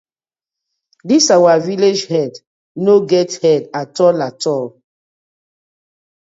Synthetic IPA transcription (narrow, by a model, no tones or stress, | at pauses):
disawaviled͡ʒhɛd | noɡɛthɛdatɔlatɔl